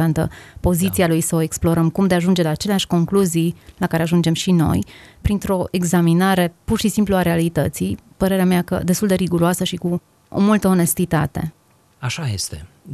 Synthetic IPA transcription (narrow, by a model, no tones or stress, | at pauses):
ant̪ə̰po̞zit̪sialujsəoe̞ksplo̞ɾəmkumd̪eaʒund͡ʒe̞laːt͡ʃe̞leaʃʲko̞ŋkluzijlakaɾe̞aʒund͡ʒe̞mʃino̞̰jpɾint̪ɾo̞ʔe̞ɡzaminaɾe̞purʃisimpluaɾe̞alit̪ət̪sipəɾe̞ɾeameakə̰d̪est̪uld̪e̞ɾiɡuɾoasəʃiku | o̰mult̪əo̞ne̞st̪it̪a̰t̪e̞̰ | aʃajest̪ḛ